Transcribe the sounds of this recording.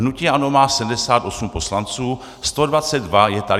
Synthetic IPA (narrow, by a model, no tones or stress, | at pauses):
nuciːano̞maːsɛm̩dɛsaːt̪ʔo̞sumpo̞slant͡suː | st̪o̞dvat͡sɛd̪dvajɛt̪a